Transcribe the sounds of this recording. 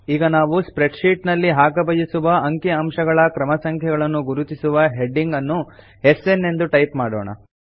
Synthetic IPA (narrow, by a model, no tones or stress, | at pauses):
iːɡɐnaːʋuspɾe̞ɖʂiːʈnɐlːiɦaːɡɐbɐjisuʋɐʔɐŋkiɐmʃɐɡɐɭɐkɾɐmɐsɐŋkʰɛɡɐɭɐnːuɡuɾut̪isuʋɐɦeɖːiŋɡɐnːu | ese̞nːe̞nd̪uʈɐjpmaːɽɔ̰ːɳɐ̰